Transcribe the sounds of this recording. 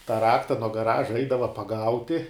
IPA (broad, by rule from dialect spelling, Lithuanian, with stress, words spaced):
tɑː ˈrɑːktɐ nuɔ ɡɐˈrɑːʒɐ ˈɛɪdɐʋɐ pɐˈɡɐʊtʲɪ